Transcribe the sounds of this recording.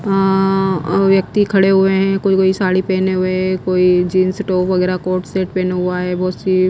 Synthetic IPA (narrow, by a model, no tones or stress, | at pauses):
ʋjɐk̚t̪ikʰɐɽeɦʊeɦɛ̃kʊkoːisaːɽipeːneɦʊeɦɛkoːid͡ʒiːnsʈoːpʋɐɡɛːɾakoːɾʈseːʈpẽːneɦʊaɦɛːbɔːt̪si